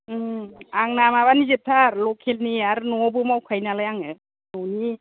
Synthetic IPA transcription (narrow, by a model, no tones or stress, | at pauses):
aŋnamaβanizep̚tʰaɾlɔkʰelniaɾɯnɔbɯmawkʰajnalajaŋɯ | nɔwni